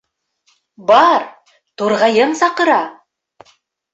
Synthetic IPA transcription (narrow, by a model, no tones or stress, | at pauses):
bɑɾ | t̪uɾʁɑjɤmsɑqɤ̆ɾɑ